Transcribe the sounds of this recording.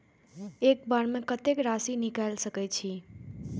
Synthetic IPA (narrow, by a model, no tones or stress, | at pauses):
ekbaɾmekət̪ekɾasinikajlsəkɛt͡ʃʰi